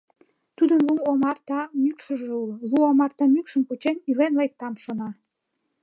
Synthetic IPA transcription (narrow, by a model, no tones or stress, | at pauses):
t̪ud̪ənluomɑrt̪ɑmykʃəʒeulluomɑrt̪ɑmykʃəmput͡ɕenilenlek̚t̪ɑmʃonɑ